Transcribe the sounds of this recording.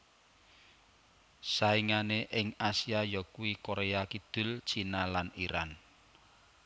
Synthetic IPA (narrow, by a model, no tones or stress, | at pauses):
saiŋaneʔɪŋasiajɔkuwikoɾeakid̪̥ʊ̤lt͡ʃinalaniɾan